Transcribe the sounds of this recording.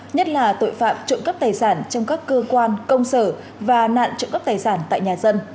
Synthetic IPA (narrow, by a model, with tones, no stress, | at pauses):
ɲə˦˥t̚laː˨˩t̪o̰˧˨jfaː˧˥p̚t͡ɕʊ̰˧˨ŋ͡mkə˦˥p̚t̪aː˨˩jsaː˧˩nt͡ɕɔ˧wŋ͡mkaː˦˥kːəː˧kwaː˧nkə˧wŋ͡msəː˧˩ | vaː˨˩na̰ː˧˨nt͡ɕʊ̰˧˨ŋ͡mkə˦˥p̚t̪aː˨˩jsaː˧˩nt̪a̰ː˧˨jɲaː˨˩zə˧n